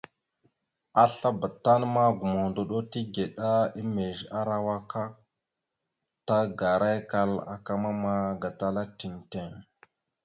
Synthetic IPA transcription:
a˦ɬa˦ba˨ta˦nma˦ɡu˨mo˨ndo˨ɗo˦ti˦ɡe˨ɗa˦i˦me˨ʒa˦ɾa˦wa˦ka˦k̚ | ta˦ɡa˨ɾa˦jka˦la̰˨ka˦ma˦ma˦ɡa˨ta˦la˦ti˨nte˦˨ŋ

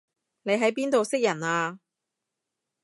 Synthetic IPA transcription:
ne˨˧jɦɐ˨˥jpiː˥nt̪o˨wsɪ˥k̚jɐ˨˩naː˧

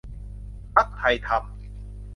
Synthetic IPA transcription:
pa˦˥k̚hʰa˧jt̪ʰa˧m

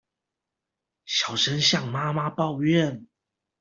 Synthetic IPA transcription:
ɕjɑ˨˩ʊʂə˧˦nɕjɑ˥˨˩ŋma˦ma˦pɑ˥˧ʊɥɛ˥˨n

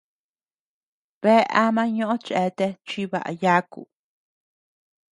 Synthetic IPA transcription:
βe˦a̰˧mã˦ɲõ˦ʔõ˦t͡ʃʔe˨˦t̪e˧t͡ʃi˦βa̰˨ʔa̰˨ja˦kṵ˨

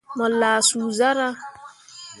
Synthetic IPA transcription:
mɔ˨laː˨suː˨za˦ɾa˦

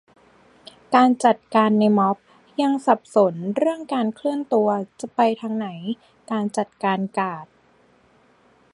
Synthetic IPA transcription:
kaː˧nt͡ɕa˨˩t̪̚kaː˧nːa˧jmɔ˦˥p̚ | ja˧ŋsa˨˩p̚so˩˦nɾɯ˥˩əŋkaː˧nkʰlɯ˥˩ənt̪u˧ɐt͡ɕa˨˩pa˧jt̪ʰaː˧ŋna˩˦j | kaː˧nt͡ɕa˨˩t̪̚kaː˧nkaː˨˩t̪̚

